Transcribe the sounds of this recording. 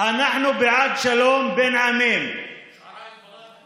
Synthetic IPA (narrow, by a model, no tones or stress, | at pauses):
anaħnubɪʕad̪ʃɐloːmbɪnʕameːm